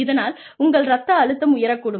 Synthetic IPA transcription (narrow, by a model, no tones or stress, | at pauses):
ɪðɐnaːl | ʊŋɡɐɭɾɐt̪ːɐːɻɯt̪ːɐmʊjɐɾɐkːuːɽɯm